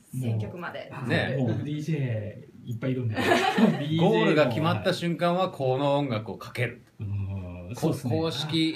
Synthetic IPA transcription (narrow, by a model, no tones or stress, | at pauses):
ẽŋkʲːokɯ̟mad̪ene̞ie | ipːaiɾõne | ɡo̞ːɾɯ̟ɡakʲimat̪ːaɕɨ̃ŋkãɰ̃βakʰo̞ːnõːŋɡakɯ̟o̞kḁke̞ɾɯ̟ | kʰokʰo̞ːɕi̥kʲi